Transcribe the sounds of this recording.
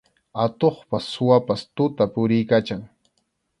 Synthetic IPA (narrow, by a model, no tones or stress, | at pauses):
at̪oχpasʊwapast̪ʊt̪apʊɾɪjkat͡ʃaŋ